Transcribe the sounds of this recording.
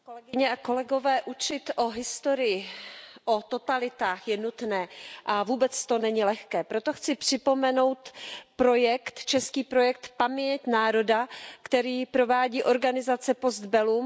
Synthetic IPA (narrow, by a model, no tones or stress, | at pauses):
kolɛɡɪɲɛako̞lɛɡo̞vɛːʔut͡ʃɪt̪ʔo̞ɦɪst̪o̞ɾɪjɪʔot̪o̞t̪alɪt̪aːxjɛnut̪nɛːʔavuːbɛt͡st̪onɛɲɪlɛxkɛːpɾo̞t̪o̞xt͡sɪpr̝̥ɪpo̞mɛno̞wt̪pɾo̞jɛkt̪t͡ʃɛskiːpɾo̞jɛk̚t̪pamɲɛcnaːɾo̞dakt̪ɛɾiːpɾo̞vaːɟiːʔo̞ɾɡanɪzat͡sɛpo̞sd̪bɛluːm